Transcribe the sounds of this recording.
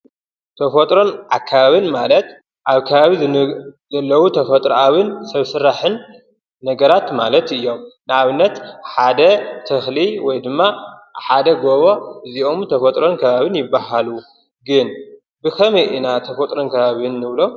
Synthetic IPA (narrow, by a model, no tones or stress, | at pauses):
t̪ʰɐfot̪ʼɾo̞nʕakʰːaβaβɨnmalɐt̪ | ʔaβkʰɐβaβi | zɐlːɐwut̪ʰɐfɐt̪ʼɾʔawɨnsɐβsɨɾːaħɨnː | ɐɡɐɾat̪malɐt̪ɨjːo̞mnɨaβɨnːɐt̪ħad̪ɐt̪ʰɨxliwɔjd̪ɨmːaħad̪ɐɡoβo̞ʔɨziʔo̞mt̪ʰɐfɐt̪ʼɾo̞nkʰɐβaβɨnjɪbːaɦalu | ɡɨn | bɨkʰɐmɐjʔɨnat̪ʰɐfot̪ʼɾonkʰɐβaβɨnːɨβlo